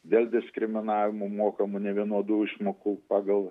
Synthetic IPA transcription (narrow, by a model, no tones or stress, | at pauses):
d̪ʲeːlˠd̪ʲɪskɾʲɪmʲɪnɑːʋʲɪmomoːkɐmʊnʲɛʋʲiɛnuɔd̪uːɪʃmoːkuːpɑːɡɐlˠ